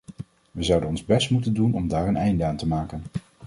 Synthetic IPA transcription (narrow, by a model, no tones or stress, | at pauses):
ʋəzʌwdənɔnzbɛstmutəndunɔmdaːɹənɛjndəaːntəmaːkən